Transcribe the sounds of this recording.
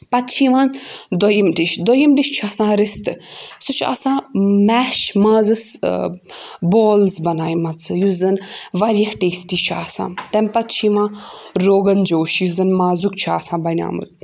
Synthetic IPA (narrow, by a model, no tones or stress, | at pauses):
pɐt̪t͡ʃʰiːʋãːnd̪ojimʈiʃd̪ojimʈiʃt͡ʃʰaːsãːɾist̪ɨsɨt͡ʃʰa̰ːsãːmɛːʃmãːzɨs | boːlzbɐnaːjmɐt͡sʰɨjuzɐnʋɐɾʲjɐhʈeːsʈiːt͡ʃʰa̰ːsã̰ːmt̪ɐmʲpɐt̪t͡ʃʰiːʋãːɾoːɡɐnd͡ʒoːʃjuzɐnmaːzuk̚t͡ʃʰa̰ːsãːbɐnʲa̰ːmṵl